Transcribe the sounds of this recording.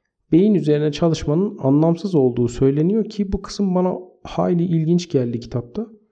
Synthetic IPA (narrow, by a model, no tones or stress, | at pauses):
be̞jinyze̞ɾinɛt͡ʃʰalˠɯʃmanɯna̰nlˠamsɯzo̞lˠd̪uːsø̞jlʲe̞nijo̞ɾcʰibukʰɯ̥sɯmbana̰ha̰ːlʲiʔilʲɟint͡ʃɟælʲd̪icʰi̥t̪ʰap̚t̪ʰa